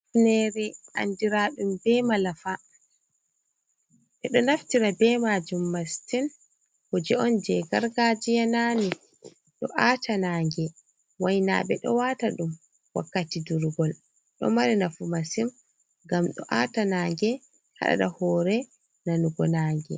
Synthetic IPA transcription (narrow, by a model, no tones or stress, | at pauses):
fnɛɾɛʔa̰ndiɾaɗumbɛmalafa | ʔɛɗɔnaftiɾabɛmad͡ʒumːastin | hɔd͡ʒɛɔnd͡ʒɛɡaɾɡad͡ʒijanani | ɗɔʔatʰanaːŋɡɛ | wajna̰ɓɛɗɔ̰wataɗum | wa̰kːatiduɾɡɔl | ɗɔ̰maɾɛnafumasim | ɡamɗɔ̰ʔa̰tanaːŋɡɛ | ha̰ɗa̰ɗahɔɾɛ | nanuɡɔnaːŋɡɛ̰